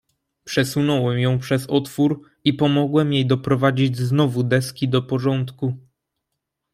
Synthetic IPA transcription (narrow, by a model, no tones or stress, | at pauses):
pʂɛsunɔwɛmjɔ̃w̃pʂɛzɔt̪fuɾ | ipɔmɔɡwɛmjejd̪ɔpɾɔvad͡ʑid͡ʑznɔvud̪ɛskʲid̪ɔpɔʐɔnt̪ku